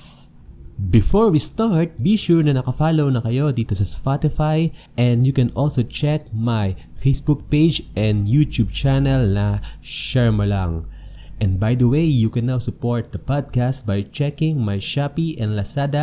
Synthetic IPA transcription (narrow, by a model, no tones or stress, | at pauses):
bɪfɔɹwist̪aɹt̪̚biʃuɹnɐnɐkɐfalownɐkɐjod̪it̪usɐspat̪ɪfaj | ʔɛ̃nd̪jukɛ̃nʔɔlsowt͡ʃɛk̚majfejsbuk̚pejd͡ʒʔɛ̃nd̪jut̪ub̚t͡ʃanɐlnɐʃɛɹmɐlaŋ | ʔɛ̃nd̪̚bajd̪ɐwejjukɛ̃nːawsʊpoɹt̪̚d̪ɐpad̪̚kast̪̚bajt͡ʃɛkɪ̃ŋmajʃapiʔɛ̃nlɐsad̪ɐ